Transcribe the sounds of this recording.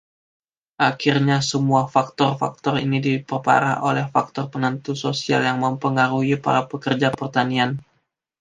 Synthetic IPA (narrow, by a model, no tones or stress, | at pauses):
ʔakirɲasəmuafak̚t̪ɔrfa̰k̚t̪ɔrḭnidipərpa̰ɾaho̰lɛhfak̚t̪ɔrpənənt̪usosia̰ljaŋməmpəŋaɾuipa̰ɾapəkərd͡ʒapərt̪anian